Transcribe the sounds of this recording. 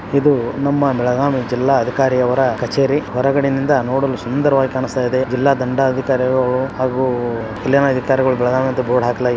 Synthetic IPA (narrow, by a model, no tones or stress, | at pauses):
id̪unɐmːɐbɛɭɐɡaːmid͡ʒilːaːɐd̪ʱikaːɾijɐʋɐɾɐkɐt͡ʃeːɾiɦɔɾɐɡɐɽenind̪ɐnoːɽɐlːusund̪ɐɾɐʋaːɡikaːɳust̪aːjid̪e̞d͡ʒilːaːd̪ɐɳɖɐːd̪ʱikaːɾiɡɐɭuhaːɡu | kɐljaːnɐːd̪ʱikaːɾiɡɐɭubɛɭɐɡaːmiɐnd̪ɐboːɽɦaːkɐlɐ